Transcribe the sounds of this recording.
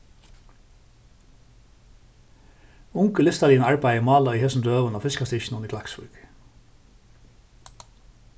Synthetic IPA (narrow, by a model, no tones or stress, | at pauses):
ʊŋkəlɪst̪ɑliːnəɑɹbæɪəmɑːlɑiːhɛsn̩ɾøːʋənɑːfɪskɑst̪ɪʃn̩ʊnəkʰlæksbʉ̰ɹɡ̥